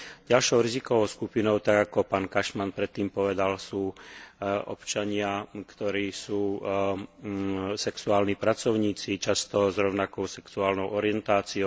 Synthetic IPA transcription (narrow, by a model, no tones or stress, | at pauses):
ɟalʃɔʊɾizikɔʋɔʊskupinɔʊt̪aɡakɔpaːnkaʃmanpɾɛt̪ːiːmpɔʋɛd̪alsuː | ʔɔpt͡ʃaɲɪakt̪ɔɾiːsuː | sɛksuaːlnipɾat͡sɔʊɲiːt͡sit͡ʃast̪ɔzɾɔʊnakɔʊsɛksuaːlnɔʊʔɔɾiɛnt̪aːt͡siɔʊ